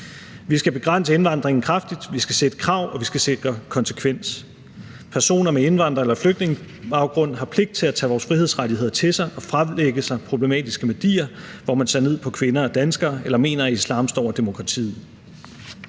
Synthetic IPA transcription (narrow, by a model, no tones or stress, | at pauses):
ʋisɡ̥æb̥e̝ɡ̥ʁan̰səe̝nʋɑ̈nd̥ʁeŋn̩kʰʁɑfd̥id̥ʋisɡ̥æsed̥ə̥kʰʁɑ̈ʊ̰ɒ̽ʋisɡ̥æse̝ɡ̥ʁɐkʰɒ̽nsə̥kʰʋen̰s | pʰæɐso̝̰ːnɐmee̝nʋɑ̈n̰d̥ʁɐelɐfløɡ̥̚d̥ne̝ŋə | b̥ɑ̈ʊɡ̥ʁɔ̽n̰ɦɑ̈pʰle̝ɡ̥̚d̥̚t͡sʰe̝læt͡sʰɛ̰ːʋɒːsfʁihe̝ð̞̰ˠsʁadihe̝ð̞̰ˠɐt͡sʰe̝sɑ̈ɪʔɒ̽fʁämleɡ̥əsɑ̈ɪpʰʁo̝b̥le̝mɛ̰ːd̥isɡ̥əʋæd̥ḭːɐʋɒmænse̝ɐne̝ð̰ˠpʰɒ̽kʰʋe̝nɐɒ̽d̥ænsɡ̥ɐːelɐme̝̰ːnɐislɑ̈ːmsd̥ɒ̰ʊ̰ɐd̥emo̝kʰʁɑ̈t͡sʰḭːð̩ˠ